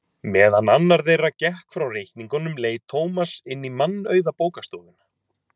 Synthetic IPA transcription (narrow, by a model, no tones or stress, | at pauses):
mɛːðanːanːaɾðejracɛhkfɾawrejhkniŋkɔnːʏmleːjt̪ʰoːwmasɪnːimanːœːɥðapoːwkast̪ɔːðɪn